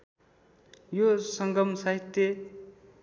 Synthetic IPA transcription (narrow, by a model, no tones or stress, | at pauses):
josʌŋɡʌmsaɦit̪jʌ